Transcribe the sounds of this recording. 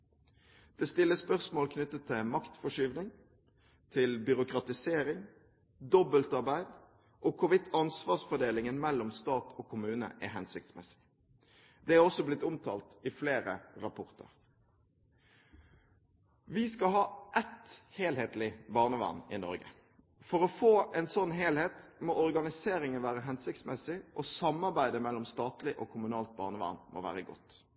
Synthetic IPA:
d̪̥ɛːst̪ɪlːəspœʁsmoːlkʰnʉt̪ːət̪ʰːɪmɑkt̪fɔʂyːʋnɪŋ | t̪ʰɪlbʏʁʊkɾɑt̪ɪseːɾɪŋ | d̪ɔbəlt̪ɑʁbæɪd̪ | ʔoːkʰʊɾʋɪt̪ʰːɑnsʋɑːsfɔɖ̪eːlɪŋənmɛlːɔmst̪ɑːt̪ʰoːkʰʊmʉːnə̰ʔɛ̰ɦɛnsɪk̚t̪smɛsɪ̥ | d̪̥ɛːæɔsɔblɪt̪ːʊmt̪ʰɑ̰ːlt̪ɪfleːɾəɾɑpʰɔʁt̪ʰə̰ʁ | ʋɪskɑɦɑːʔɛt̪heːlheːt̪lɪbɑːʁnəʋɑ̰nɪnɔ̰ɾɡə̰ | fɔɾɔfoːɛnsɔnːɦeːlheːt̪moːʔɔʁɡɑnɪseːɾɪŋənʋæːʁəɦɛnsɪk̚t̪smɛsɪʔosɑmɑʁbæɪd̪əmɛlːɔmst̪ɑːt̪lɪʔoːkʰʊmʉnɑːlt̪̚bɑ̰ːʁnəʋɑ̰nmʔo̰ːʋæ̰ːɾəɡɔ̰t̪

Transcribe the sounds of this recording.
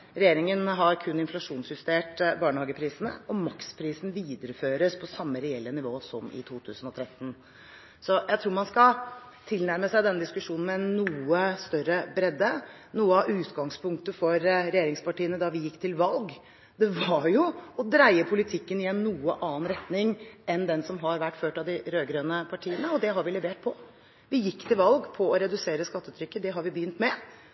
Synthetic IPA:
ɾɛjeːɾɪŋənɦɑɾkʰʉnːɪnflɑʂuːnsjʉst̪eːʈbɑːɳəhɑːɡəpʰɾiːsənə̰ɔmɑkspʰɾiːsn̩ʋiːd̪əɾəføːɾəspʰɔsɑmːəɾɛɛlːənɪʋoːsɔmɪ̰t̪ʰuːt̪ʰʉːsən̩ɔt̪ʰɾɛt̪ːn̩ | sɔjæɪt̪ʰɾuːɾmɑnskɑ | t̪ʰɪlnæɾməsæɪd̪ɛnːəd̪ɪskʉʂuːnn̩mɛɛnːuːəst̪œɾəbɾɛd̪ːə | nuːəɑʔʉːt̪ɡɑŋspʰʊŋk̚t̪əfɔɾɾɛjeːɾɪŋspɑʈiːənəd̪ɑʋɪjɪkːt̪ʰɪlʋɑlɡ | d̪ɛʋɑɾjʊɔd̪ɾæɪəpʰʊlɪt̪ʰɪkːənɪjɛnːnuːəʔɑːənɾɛt̪nɪŋɛnd̪ɛnsɔmɦɑɾʋæʈːføːʈɑʋd̪ɪɾøːɡɾøːnəpʰɑʈʰiːənəɔd̪ɛɦɑɾʋɪlɛʋeːʈ̚pʰɔ | ʋɪjɪkːt̪ʰɪlʋɑlɡpʰɔɔɾɛd̪ʉseːɾəskɑt̪ːəʉːt̪ʰɾʏkːəd̪ɛɦɑɾʋɪbəjʏnt̪mɛ

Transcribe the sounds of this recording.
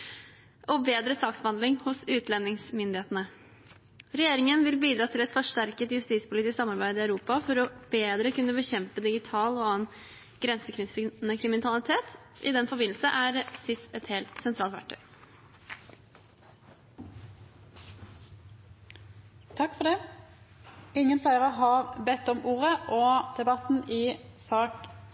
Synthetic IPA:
ʔɔbeːd̪ɾəsɑːksbəhɑnd̪lɪŋhʊsʉːt̪lɛnːɪŋsmʏnd̪ɪheːt̪ənə | ɾɛjeːɾɪŋənʋɪlbiːd̪ɾɑːt̪ʰɪlɛt̪fɔʂʈæɾkət̪jʉst̪iːspʰʊlɪːt̪ɪsksɑmːɑɾbæɪd̪ɪœʉɾuːpɑfɔɾɔb̥eːd̪ɾəkʰʉnːəbəçɛmpəd̪ɪɡɪt̪ʰɑːlɔɑːən | ɡ̥ɾɛnsəkʰɾɪnəkʰɾɪmɪnɑlɪt̪ʰeːt̪ | ʔɪd̪ɛnfɔbɪnl̩səʔæːɾsɪst̪ɛt̪heːlt̪sɛnt̪ʰɾɑːlt̪ʋæ̰ʈʰːœ̰ʏ | t̪ʰɑkfɔɖ̪ɛ | ɪŋːənsæɪʁəɦɑʁbɛt̪ːɔmʔuːʁəʔɔd̪̥ɛbɑt̪n̩ɪːsɑːk

